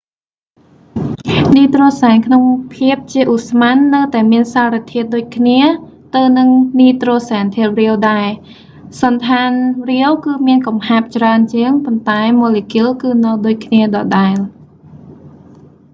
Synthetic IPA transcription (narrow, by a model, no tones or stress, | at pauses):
niːt̪roːsaɛnkʰnoŋpʰiəp̚t͡ɕiəʔusmanːɨwt̪aɛmiənsaːrit̪ʰiət̪̚ɗoːc̚kʰniə | t̪ɨwnɨŋniːt̪roːsaːnt̪ʰiət̪̚riəwɗaɛ | sɑnt̪ʰaːnriəwkɨːmiənkɑmhaːp̚t͡ɕraənt͡ɕiəŋpont̪aɛmoːliːkiəlkɨːnɨwɗoːc̚kʰniəɗɑːɗaɛl